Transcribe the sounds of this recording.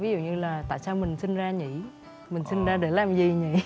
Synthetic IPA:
vi˨˦zṵ˧˨ɲɨ˧laː˨˩t̪a̰ː˧˨jsaː˧wmï˨˩ŋ̟sï˧ŋzaː˧ɲḭ˧˨ | mï˨˩ŋ̟sï˧nzaː˧ɗe˧˩laː˨˩mzi˨˩ɲḭ˧˨˦

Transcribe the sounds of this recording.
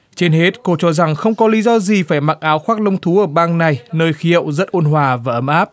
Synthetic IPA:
t͡ɕe˧nhe˦˥t̚ko˧t͡ɕɔ˧za˨˩ŋxə˧wŋ͡mkɔ˨˦li˨˦zɔ˧zi˨˩faː˧˩jmaː˧˨˩k̚ʔaː˨˦wxwaː˦˥k̚lə˧wŋ͡mt̪ʰu˨˦ʔəː˧˩ɓaː˧ŋna˨˩jnəː˧jxi˨˦ɦə̰˧˨wzə˦˥t̚ʔo˧nɦwaː˨˩vaː˨˩ʔə˧˦mʔaː˦˥p̚

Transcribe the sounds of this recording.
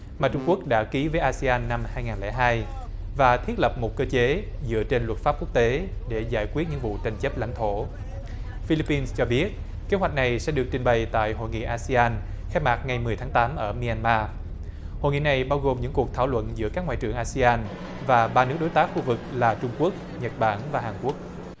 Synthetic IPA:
maː˨˩t͡ɕʊ˧ŋ͡mku˦˥ək̚ɗa̰ː˧˥ki˨˦vəː˨˦jʔaː˧si˧aː˧nːa˧mhaː˧jŋaː˨˩nlɛ̰˧˩ɦaː˧j | vaː˨˩t̪ʰi˦˥t̚lə˨˩p̚mo˨˩t̚kəː˧t͡ɕe˨˦ | zɨ̰˧˥ət͡ɕe˧nlwə˨˩t̚faː˦˥p̚ku˦˥ək̚t̪e˨˦ɗe˧˩zaː˧˩jkwi˦˥t̚ɲɨ̰˧˥ŋvṵ˧˨t͡ɕa˨˩ŋ̟t͡ɕə˦˥p̚la̰˧˥ŋ̟t̪ʰo˧˩˨ | fi˧li˧˥pːi˧nst͡ɕɔ˧ɓi˦˥ət̚ | ke˨˦hɦwa˨˩jk̚na˨˩jsɛ̰˧˥ɗɨ˨˩ək̚t͡ɕï˧˩ŋɓa˨˩jt̪a̰ː˧˨jɦo̰˧˨jŋḭ˧˨ʔaː˧si˧aː˧n | xɛ˧˥maː˨˩t̚ŋa˨˩jmɨ˨˩əjt̪ʰaː˨˦ŋt̪aː˨˦mʔəː˧˩mi˧a˧nmaː˧ | ho̰˧˨jŋḭ˧˨na˨˩jɓaː˧wɣo˨˩mɲɨ̰˧˥ŋku˨˩ək̚t̪ʰaː˧˩wlwə̰˧˨nzɨ̰˧˥əkaː˦˥kŋwaː˧˨jt͡ɕɨ˨˧˩əŋʔaː˧si˧aː˧n | vaː˨˩ɓaː˧nɨ˦˥ək̚ɗjt̪aː˦˥k̚xu˧vɨ˨˩k̚laː˨˩t͡ɕʊ˧ŋ͡mku˦˥ək̚ | ɲə˨˩t̚ɓaː˧˩nvaː˨˩ɦaː˨˩nku˦˥ək̚

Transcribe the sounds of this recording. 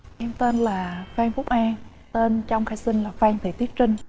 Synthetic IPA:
ʔɛ˧mt̪eː˧nlaː˨˩faː˧ŋfʊ˦˥k͡p̚ʔaː˧ŋ | t̪e˧nt͡ɕɔ˧wŋ͡mxaː˧jsï˧ŋ̟laː˨˩faː˧ŋt̪ʰi˧˩t̪i˦˥ət̚t͡ɕï˧ŋ̟

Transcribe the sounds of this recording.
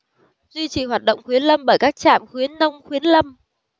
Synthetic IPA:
zwi˧t͡ɕḭ˧˨˩ɦwaː˨˩t̚ɗə̰˧˨wŋ͡mxwi˨˦ənlə˧mɓəː˧˩jkaː˦˥k̚t͡ɕaː˧˩mxwi˨˦ənːə˧wŋ͡mxwi˨˦ənlə˧m

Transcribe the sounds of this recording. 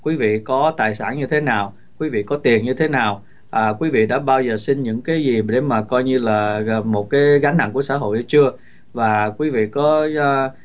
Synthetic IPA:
kwi˨˦vḭ˧˨kɔ˨˦t̪aː˨˩jsa̰ː˧˩nɲɨ˧t̪ʰe˨˦naː˨˩w | kwi˨˦vḭ˧˨kɔ˨˦t̪i˨˩ənɲɨ˧t̪ʰe˨˦naː˨˩w | ʔəː˨˩kwi˨˦vḭ˧˨ɗa̰ː˧˥ɓaː˧wzəː˨˩si˧nɲɨ̰˧˥ŋkaː˨˦jzi˨˩ɗe˧˩maː˨˩kɔ˧jɲɨ˧laː˨˩˨mo˨˩t̚kaː˨˦jɣa˨˦jŋ̟ha̰˧˨ŋku˧˩əsa̰ː˧˥˩ɦo̰˧˨jʔə˧˦t͡ɕɨ˧ə | vaː˨˩kwi˨˦vḭ˧˨kɔ˨˦˧

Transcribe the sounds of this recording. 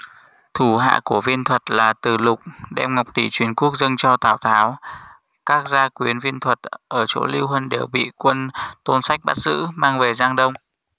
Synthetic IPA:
t̪ʰu˧˩ɦa̰ː˧˨ku˧˩əvi˧ənt̪ʰwə˨˩t̚laː˨˩t̪ɨ˨˩lʊ˨˩k͡p̚ɗɛ̰˧mŋa˨˩wk͡p̚ɗi˧˩t͡ɕwi˨˩ənku˦˥ək̚zə˧nt͡ɕɔ˧t̪aː˧˩wt̪ʰaː˨˦w | kaː˦˥k̚zaː˧kwi˨˦ənvi˧ənt̪ʰwə˨˩t̚ʔəː˧˩t͡ɕo̰˧˥li˧wɦwə˧nɗe˧˩wɓḭ˧˨kwə˧nt̪o˧nsa˦˥jk̟̚ɓa˦˥t̚zɨ̰˧˥maː˧ŋve˨˩zaː˧ŋɗə˧wŋ͡m

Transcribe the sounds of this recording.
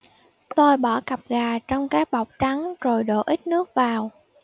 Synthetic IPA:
t̪o˧jɓɔ˧˩ɣa˨˩p̚ɣaː˨˩t͡ɕɔ˧wŋ͡mkaː˨˦jɓa˨˩wk͡p̚t͡ɕa˨˦ŋzo˨˩jɗo̰˧˨ʔï˦˥k̚nɨ˦˥ək̚vaː˨˩w

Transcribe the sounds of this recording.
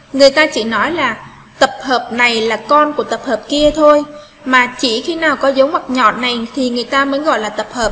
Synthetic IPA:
ŋɨ˨˩əjt̪aː˧t͡ɕḭ˧˩nɔ˨˦jlaː˨˩ | t̪ə˨˩p̚həː˨˩p̚na˨˩jlaː˨˩kɔ˧nku˧˩ət̪ə˨˩p̚həː˨˩p̚ki˧ət̪ʰo˧j | maː˨˩t͡ɕi˧˩xi˧naː˨˩wkɔ˨˦zə˨˦wmwa˨˩k̚ɲɔ̰˧˨na˨˩jt̪ʰi˨˩ŋɨ˨˩əjt̪aː˧məː˨˦nɣɔ̰˧˨jlaː˨˩t̪ə˨˩p̚həː˨˩p̚

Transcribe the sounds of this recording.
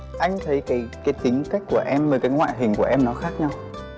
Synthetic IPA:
ʔa˧jŋ̟t̪ʰə˨˦jkaː˨˦jkaː˨˦jt̪ï˨˦ŋka˦˥k̟̚ku˧˩əʔɛ˧mvəː˨˩kaː˨˦jŋwa̰ː˧˨jɦï˨˩ŋ̟ku˧˩əʔɛ˧mnɔ˨˦xaː˦˥k̚ɲa˧w

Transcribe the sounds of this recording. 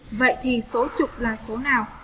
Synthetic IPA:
və̰˧˨jt̪ʰi˨˩so˨˦t͡ɕʊ˨˩k͡p̚laː˨˩so˨˦naː˨˩w

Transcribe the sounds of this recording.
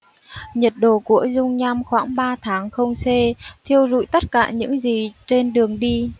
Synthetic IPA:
ɲə˨˩t̚ɗo˧˨˩ku˧˩əzʊ˧ŋ͡mɲa˧mxwaː˧˩ŋɓaː˧t̪ʰaː˨˦ŋxə˧wŋ͡mse˧t̪ʰi˧əwzṵ˧˥˨jt̪ə˦˥t̚kaː˧˩ɲɨ̰˧˥ŋzi˨˩t͡ɕe˧nɗɨ˨˩əŋɗi˧

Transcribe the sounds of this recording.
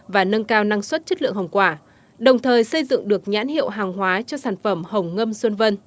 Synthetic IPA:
vaː˨˩nə˧nkaː˧wna˧ŋswə˦˥t̚t͡ɕə˦˥t̚lɨ̰˧˨ə˨ŋɦə˨˩wŋ͡mkwaː˧˩ | ɗə˨˩wŋ͡mt̪ʰəː˨˩jsə˧jzɨ̰˧˨ŋɗɨ˨˩ək̚ɲa̰ː˧˥nhḭ˧˨ə˨wɦaː˨˩ŋɦwaː˨˦t͡ɕɔ˧saː˧˩nfə˧˩mhə˨˩wŋ͡mŋə˧mswə˧nvə˧n

